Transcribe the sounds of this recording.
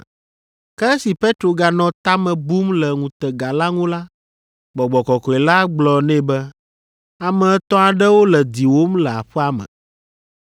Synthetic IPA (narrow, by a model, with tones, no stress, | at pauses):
kɛ˦si˨pe˦t̪ɾo˨ɡa˨nɔ̃˨t̪a˦mɛ̃˨bu˦mlɛ˨ŋũ˨t̪ɛ˨ɡa˨la˦ŋũ˦la˦ | ɡ͡bɔ˨ɡ͡bɔ˨kɔ˨kɔ˨ɛ˨la˦ɡ͡blɔ˨nɛ̃˦bɛ˦ | a˨mɛ̃˨˦t̪ɔ̃˦a˨ɖɛ˦wo˦lɛ˨d̪i˨wo˦mlɛ˨a̰˨ɸɛ˦a˦mɛ̰̃˨